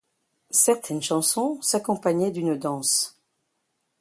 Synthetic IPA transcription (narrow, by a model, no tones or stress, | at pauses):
sɛʁt̪ʰɛnʃɑ̃sɔ̃sakɔ̃paɲɛd̪ynd̪ɑ̃s